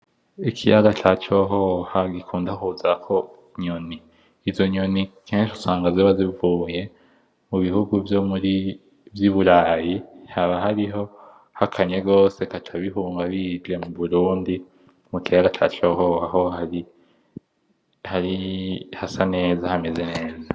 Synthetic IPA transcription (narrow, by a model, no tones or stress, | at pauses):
ikʰijaɡat͡ʃat͡ʃo̞ɦohaɡikʰuːndahuzakʰo̞ | ɲoniː | zo̞ɲo̞nikʰeːnʃu̥saːŋɡazoβazivuːje̞ | muβihuɡuvjo̞muɾi | vjiβuɾaːjihaβaɦaɾiɦo̞ | hakʰaɲe̞ɡo̞ːse̞katʰaβiɦuːŋɡaβid͡ʒe̞muβuɾuːndi | mukijaɡat͡ʃa̰t͡ʃoɦohaɦo̞haɾi | haɾihasane̞ːzahame̞ze̞ne̞ːza